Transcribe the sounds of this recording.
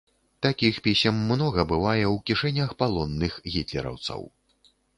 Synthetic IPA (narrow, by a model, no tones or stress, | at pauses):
t̪akʲixpʲisʲɐmːnɔɣɐbɨvajɛwkʲiʂɛnʲɐxpalˠɔnːɨxɣʲit̪lʲɛ̰ɾɐ̰wt̪sɐ̰w